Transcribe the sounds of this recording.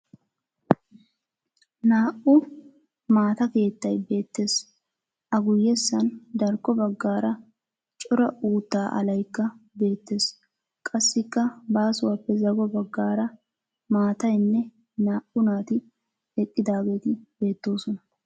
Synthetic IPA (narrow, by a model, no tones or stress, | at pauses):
naːʔʊ | maːt̪ɐke̞ːt̪ːɐjbe̞ːt̪ːe̞ːs | ʔɐɡʊjːɛsːɐnd̪ɐɾkːɔbɐɡːaːɾɐ | t͡ʃʼɔɾɐuːt̪ːaːʔɐ̰lɐjkːɐbe̞ːt̪ːe̞ːs | kʼɐsːɪkːɐbaːsʊwaːpːɛzɐɡɔbɐɡːaːɾɐ | maːt̪ɐjnːɛ | naːʔʊnaːt̪ɪ | ɛkʼːɪd̪aːɡe̞ːt̪ɪbe̞ːt̪ːo̞ːsɔnɐ